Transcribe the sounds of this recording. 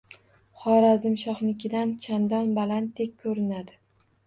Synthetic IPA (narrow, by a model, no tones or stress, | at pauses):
χɒɾazɪmʃɒχnɪkʲɪd̪ant͡ʃʰand̪ɒnbalant̪ʰːekʲʰːɵɾɪnad̪ɪ